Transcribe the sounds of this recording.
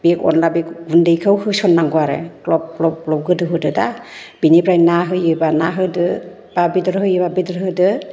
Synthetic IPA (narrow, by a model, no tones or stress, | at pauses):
b̥ikɔ̰nlabikɡundɯjkʰɯwhɯsɔnːaŋɡuaɾḛklɔp̚lɔp̚lɔɡɯdɯɦɯdɯda | binipʰɾajnaɦɯjɯbanaɦɯdɯ | b̥abidɾɦɯjɯbabidɯɾɦɯdɯ